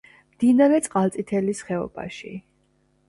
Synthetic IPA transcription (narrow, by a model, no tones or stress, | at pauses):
md̪̥inaɾɛt̪sʼqʼalt̪sʼit̪ʰɛlisχɛɔ̰ba̰ʃḭ